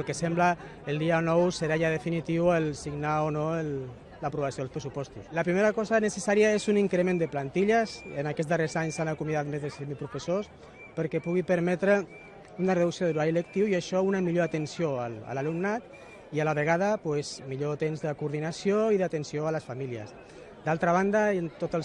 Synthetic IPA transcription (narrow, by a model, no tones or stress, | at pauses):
lkesɛmbləː | lˠd̪ianɔwsəɾaʒaðefinit̪iwəlsiɡnaonoel | lapɾuβasioðlspɾesupɔst̪uslapɾimeɾakɔzanəsəsaɾiaezuniŋkɾemẽnd̪əplant̪iʎəsənakɛd͡zzðərezaɲsanakumiðat̪mezðesɛmipɾufesos | pəɾkɛpuɣipəɾmɛt̪ɾə | unəreðuksioðəluɾaɾilək̚t̪iwiaʃɔunəmiʎoat̪ənsjoala̰lalumnat̪ | ialaβəɣaðəpwezmiʎot̪emzðəkuɾðinasioiðat̪ənsioaləsfamiliə̰s | d̪alˠt̪ɾaβ̞and̪ant̪ot̪əl